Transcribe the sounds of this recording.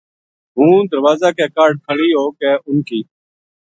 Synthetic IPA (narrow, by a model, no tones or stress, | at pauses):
ɦũːd̪əɾʋaːzaːkɛːkaːɾɖ̚kʰəɭiːɦoːkɛːʔʊnkʰiː